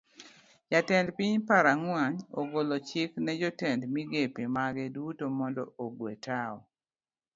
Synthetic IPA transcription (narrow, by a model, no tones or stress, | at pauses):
jatɛndpiɲpaɾaŋwaɲo̰ɡolot͡ʃɪknɛd͡ʒɔtɛndmiɡepemaɡɛdutomɔndɔoɡwetʰaɔ